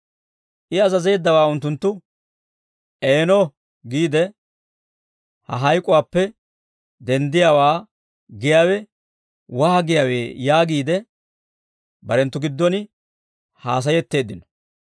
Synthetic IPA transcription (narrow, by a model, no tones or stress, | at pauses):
ʔɪɐzɐze̞ːd̪ːɐwaːʊnt̪ːʊnt̪ːʊ | ʔeːnɔ | ɡiːd̪ɛ | hɐ̰ɦɐjkʼʊwaːpːɛ | d̪ɛnd̪ɪjawaː | ɡɪjaːwɛ | wɐhɐɡɪjaːwḛːjaːɡiːd̪ɛ | bɐɾɛnt̪ːʊɡɪd̪ːɔnɪ | haːs̬ɐjɛt̪ːe̞ːd̪ːɪnɔ̥